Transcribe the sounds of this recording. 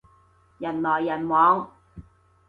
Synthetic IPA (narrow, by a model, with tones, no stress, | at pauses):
jɐ˨˩nlɔː˨˩jːɐ˨˩nwɔː˨˧ŋ